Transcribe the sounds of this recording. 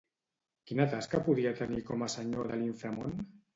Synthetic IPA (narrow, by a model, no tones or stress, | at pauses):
kinat̪askapuð̞iat̪ənikomasəɲoðəliɱfɾamon